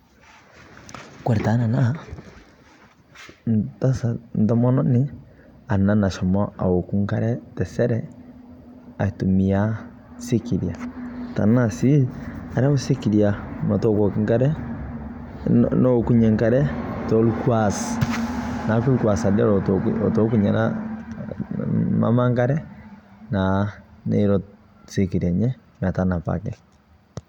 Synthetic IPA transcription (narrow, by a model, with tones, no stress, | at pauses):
kwɛ˨ɾɛ˨ta˨˦na˨na˦ | nta˦sa˨n˨dɔ˦mɔ˦nɔ˦nɪ˦a˨na˦na˨ʃɔ˨mɔ˦a̰˨wo˨ku˦ŋ˦ka˦ɾɛ˦tɛ˨sɛ˦ɾɛ˦ | a˨tu˨mi˨a˦ | se˦ki˨ɾja˨ta̰˨na˦˨si˦a˨ɾu˦si˦ki˨ɾja˨nɔ˨tɔ˦kɔ˨ki˦ŋka˦ɾɛ˦ | nɔ˦ku˦ɲɛ˨ŋka˦ɾɛ˦tɔ˦lu˦kwa˨s | na˨˦ku˦lkwa˨sa˨dɛ˦ɾɔɔ˨tɔ˨ku˦ɲa˨na̰ | ma̰˦ma˦ŋɡa˦ɾɛ˦na˨nḛ˨ɾɔ˨ | se˦ki˨ɾia˨ɲɛ˦m˨a˨ta˦na˨pa̰˨kɛ˦